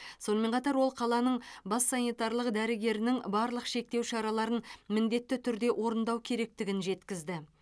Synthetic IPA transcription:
so̞nəme̞ɴqʰɑt̪ɑɾwo̞lˠqʰɑlˠɑnəɴbɑsːɑnijt̪ɑɾlˠəqd̪æɾɪɡʲe̞ɾɪnɪŋbɑɾlˠəqʃe̞k̚t̪e̞wʃɑɾɑlˠɑɾənmɪnd̪e̞t̪ːɪt̪ʰʏɾd̪e̞wʔo̞ɾənd̪ɑwkʲʰe̞ɾe̞k̚t̪ɪɡʲɪnʒe̞t̪kʲɪzd̪ɪ

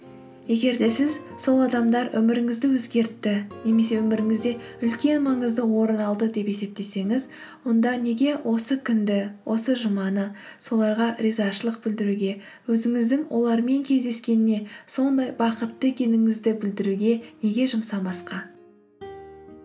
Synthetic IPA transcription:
je̞ɡʲe̞ɾd̪e̞sɪzso̞lˠɑd̪ɑmd̪ɑɾʔɵ̰mɪɾɪŋɪzd̪ɪwɵzɡʲe̞ɾt̪ːɪne̞me̞se̞wɵmɪɾɪŋɪzd̪e̞ʏlkʲe̞nmɑɴəzd̪əwo̞ɾənɑlˠd̪əd̪e̞pe̞se̞p̚t̪e̞se̞ŋɪz | wo̞nd̪ɑne̞ɡʲe̞wʔo̞səkʲʰʏnd̪ɪwʔo̞səʒəmɑnə | so̞lˠɑɾʁɑɾʲizɑʃəlˠəq̚bɪld̪ɪɾuɡʲe̞ | wɵzɪŋɪzd̪ɪŋwʔo̞lˠɑɾme̞ŋkʲʰe̞zd̪e̞skʲe̞nɪne̞so̞nd̪ɑjbɑqət̪ːəe̞kʲe̞nɪŋɪzd̪ɪbɪld̪ɪɾuɡʲe̞ne̞ɡʲe̞ʒəmsɑbɑsqɑ

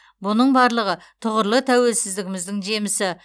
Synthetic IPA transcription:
bʊnəɴbɑɾlˠəʁə | t̪ʰʊʁəɾlˠət̪ʰæwe̞lsɪzd̪ɪɡʲɪmɪzd̪ɪŋʒe̞mɪsɪ

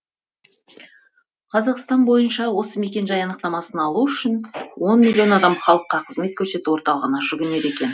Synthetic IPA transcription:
qʰɑzɑqst̪ɑnbo̞jənʃɑwo̞səme̞kʲe̞nʒɑjɑnəqt̪ɑmɑsənɑlˠuʏʃɪnwo̞nmʲilʲːio̞nɑd̪ɑmχɑlˠəqːɑqʰəzme̞t̪kʲʰɵɾse̞t̪uwo̞ɾt̪ɑlˠəʁənɑʒʏɡʲɪne̞ɾe̞kʲe̞n

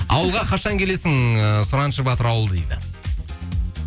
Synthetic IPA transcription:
ɑ̰wəlˠʁɑqʰɑʃɑŋkʲʰe̞le̞sɪŋəsʊɾɑnʃəbɑt̪əɾɑwəlˠd̪ḛjd̪ɪ̰

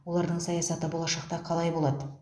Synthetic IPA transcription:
wo̞lˠɑɾd̪əɴsɑjɑsɑt̪əbo̞lˠɑʃɑq̚t̪ɑqʰɑlˠɑjbo̞lˠɑd̪ə

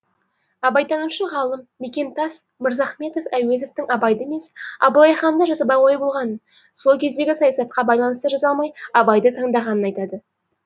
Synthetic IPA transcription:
ɑbɑjt̪ɑnuʃəʁɑlˠəmːe̞kʲe̞nt̪ɑs | məɾzɑχme̞t̪o̞fæwe̞zoft̪ɪŋɑbɑjd̪əeme̞sɑ̰bulˠɑjχɑnd̪ɑʒɑsɑpɑwɑjbo̞lˠʁɑnə | solˠkʲʰe̞zd̪e̞ɡʲɪsɑjɑsɑt̪̚qɑbɑjlˠɑnəst̪əʒɑzɑlˠmɑjɑbɑjd̪ət̪ʰəɴd̪ɑʁɑnənɑjt̪ɑd̪ə

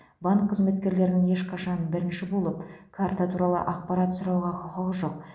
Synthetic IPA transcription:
baɴkʰːəzme̞t̪̚kʲe̞ɾle̞ɾnɪŋe̞ʃqʰɑʃɑnbɪɾɪnʃɪbo̞lˠəpkʰaɾt̪at̪ʰuɾɑlˠə̰ʔɑq̚pɑɾat̪sʊɾɑwʁɑqʰʊqəʁəʒo̞q̚

